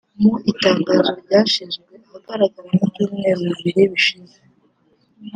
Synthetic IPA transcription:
muitaːŋɡaːzo̞ɾɟaːʃizɡwe̞aaɡaɾaɡaɾamuuːmŋeːzoiβiɾiβiʃize

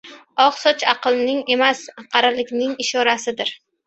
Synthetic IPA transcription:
ɒqsɒt͡ʃʰɑqɨlˠnɪŋe̞masqʰɑɾalɪkʲnɪŋɪʃɒɾasɪd̪ɪɾ

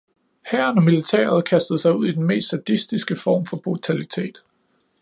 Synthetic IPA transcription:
hæɐnɒ̽milit͡sʰɛ̰ːɐð̞̩ˠkʰæsd̥ð̞̩ˠsɑ̈ɪuð̰ˠid̥enme̝̰ːsd̥sæd̥isd̥isɡ̥əfɒ̰ːmfɒ̽b̥ʁut͡sʰælit͡sʰe̝̰ːd̥

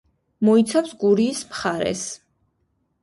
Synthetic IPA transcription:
mɔit̪sʰapsɡuɾiːsmχaɾɛ̰s

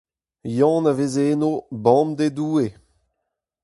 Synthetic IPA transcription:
jɑ̃navezenobɑ̃md̪ed̪uːe

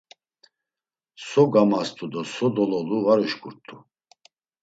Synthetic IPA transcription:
sɔɡamast̪ʰʼud̪ɔsɔd̪ɔlɔluvaɾuʃkʼuɾt̪ʰʼu

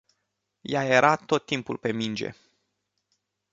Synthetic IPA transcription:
jaje̞ɾʔat̪o̞t̪ːimpṵlpe̞mind͡ʒe̞̰

